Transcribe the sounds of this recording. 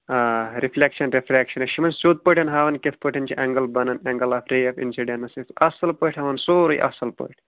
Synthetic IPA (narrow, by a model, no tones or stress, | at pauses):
aːɾifʰlekʃɐnɾifɾʲɛːkʃɐnɐʃimɐnsuːt̪̚pəʈɐnɦaːʋɐnket̪ʰpəʈʰɐnt͡ʃʰiʔɛŋɡɐlbɐnɐnɛŋɡɐlaːfɾeːɐfḭnsiɖenɐsisɐsɐlpəʈʰhɐʋɐnsoːɾojʔɐ̰sɐlpə̰ʈʰ